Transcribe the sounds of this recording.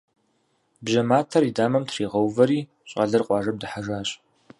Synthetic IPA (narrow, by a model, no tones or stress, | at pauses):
bʒɐmaːtʰɐridaːmɐmtʰriːʁɐwvɐɾiː | ɕʼɐɮɐrqʷʼɑːʐɐb̚dɨħaʒaːɕʼ